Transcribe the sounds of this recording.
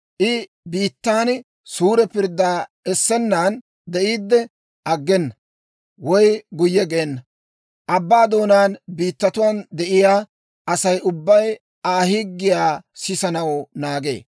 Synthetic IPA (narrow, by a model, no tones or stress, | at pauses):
ʔɪ | biːt̪ːaːn | suːɾɛpɪɾd̪ːaː | ɛsːɛnːaːn | d̪ɛʔiːd̪ːɛ | ʔɐɡːɛnːɐ | wɔjɡʊjːɛɡɛːnːɐ | ʔɐbːaːd̪o̞ːnaːnbiːt̪ːɐt̪ʊwaːnd̪ɛʔɪjaː | ʔɐsɐjʔʊbːɐj | aːhɪɡːɪjaːsɪsɐnɐwnaːɡḛː